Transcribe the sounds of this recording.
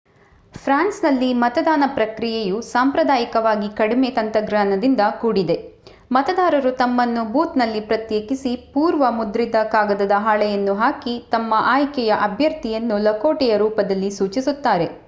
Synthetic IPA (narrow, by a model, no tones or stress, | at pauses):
pʰɾaːnsnɐlːimɐt̪ɐd̪aːnɐpɾɐkɾijejusaːmpɾɐd̪aːjikɐʋaːɡikɐɽimet̪ɐnt̪ɐɡɾaːnɐd̪ind̪ɐkuːɽid̪e̞ | mɐt̪ɐd̪aːɾɐɾut̪ɐmːɐnːubuːt̪nɐlːipɾɐt̪jeːkisipuːɾʋɐmud̪ɾid̪ɐkaːɡɐd̪ɐd̪ɐɦaːɭɛjɐnːuɦaːkit̪ɐmːɐʔaːjkjɛjɐʔɐbʱjɐɾt̪ijɐnːulɐkoːʈɛjɐɾuːpɐd̪ɐlːisuːt͡ʃisut̪ːaːɾe̞